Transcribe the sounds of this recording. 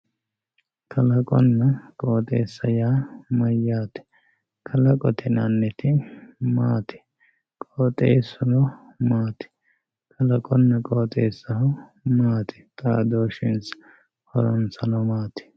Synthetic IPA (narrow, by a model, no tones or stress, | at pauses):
kʰɐlɐkʼɔnːɐkʼoːt̪ʼeːsːɐjaːmɐjːaːt̪ɛ̥ | kʰɐlɐkʼɔt̪ʰɛnɐnːɛt̪ʰɪmaːt̪ʰɪ̥ | kʼoːt̪ʼeːsːʊnɔ | maːt̪ɪ̥ | kʰɐlɐkʼɔnːɐkʼoːt̪ʼeːsːɐhʊmaːt̪ʰɪ̥t̪ʼaːd̪oːʃɪns | hɔɾɔnsɐnɔmaːt̪ɪ̥